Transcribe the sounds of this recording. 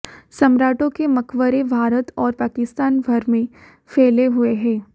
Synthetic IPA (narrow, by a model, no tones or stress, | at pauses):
sɐmɾaːʈõkemɐkʰʋəɾebʱaːɾət̪ɔːɾpaːkɪst̪aːnbʱɐɾmẽ | fʰɛːleɦʊeɦɛ̃ː